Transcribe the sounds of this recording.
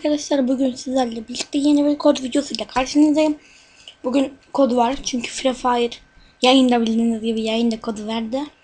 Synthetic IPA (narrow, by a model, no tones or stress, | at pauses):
kʰad̪aʃlˠaɾbuɟʲynsizæɾlʲɛbilʲt̪t̪ːijenibiɾkʰod̪vid̪ijo̞sujlʲˠakʰaɾʃɯnɯzd̪ajɯm | buɟʲynkʰod̪vaɾt͡ʃʰyɲcʰy̥fɾɛfaːjiɾ | jajɯnd̪abilʲd̪inizɟibijajɯnd̪akʰod̪væɾd̪ɪ